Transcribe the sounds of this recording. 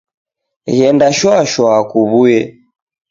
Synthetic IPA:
ɣɛndaʃwɔʃwɔːkuβujɛ

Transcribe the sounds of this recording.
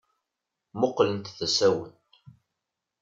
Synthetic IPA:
moqːlənt̪θæsæwə̰nt̪

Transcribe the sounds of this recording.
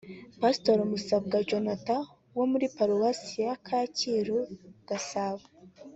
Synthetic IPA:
pastoɾumusab̚ɡad͡ʒonata | womuɾipaɾuwasijakʰaːciɾuɡ̥asaβa

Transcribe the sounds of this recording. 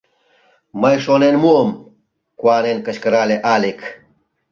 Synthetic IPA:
mɐjʂonenmuom | kwaːnenkɐɕkɐɾaːleʔaːlek

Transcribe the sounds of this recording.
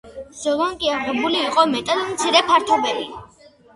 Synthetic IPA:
z̥ɔlˠaŋkʼiaʁɛbuliːqʼɔmɛt̪ʼad̪mt̪sʰiɾɛpʰaɾt̪ʰɔbɛli

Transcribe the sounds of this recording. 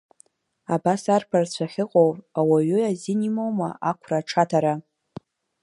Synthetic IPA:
abasarpʰart͡ɕʷʰaχʲɪqʼowrʼawaɥʏazinimowma̰ʔakʷʰraʈ͡ʂʰatʰaɾa

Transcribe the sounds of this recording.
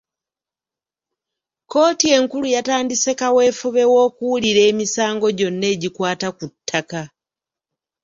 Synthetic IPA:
ko̞ːtie̞ŋkulujataːndise̞kawe̞fuβe̞wo̞ːkuwuliɾe̞ːmisaːŋɡo̞ɟo̞nːe̞ːɟikwaːtakutʰːaka

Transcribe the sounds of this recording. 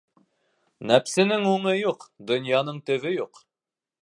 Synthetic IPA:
næpsɘ̆nɘŋuɴɤjuqd̪ŏnjɑn̪ɤɴt̪ɵ̆βɵjuq

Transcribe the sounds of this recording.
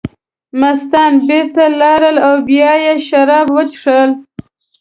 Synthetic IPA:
mast̪ɑnbɪɾt̪alɑɾəlawbjɑjeʃaɾɑbwət͡ʃʂəl

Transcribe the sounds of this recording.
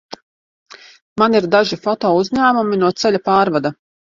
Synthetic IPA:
maniɾd̪aʒifɔt̪ɔːuzʲɲaːmuminuɔt̪sɛʎʲapaːɾvad̪a

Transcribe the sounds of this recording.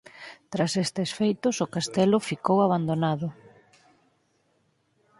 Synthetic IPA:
t̪ɾasest̪esfejt̪ʊsʊkast̪ɛlʊfikowaβ̞and̪onaðʊ

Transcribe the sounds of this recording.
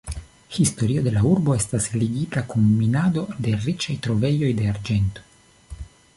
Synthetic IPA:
histo̞ɾio̞d̪e̞lauɾbo̞e̞stasliɡitakunminado̞de̞ɾit͡ʃajt̪ɾo̞ve̞jo̞jde̞aɾd͡ʒe̞nto̞̥

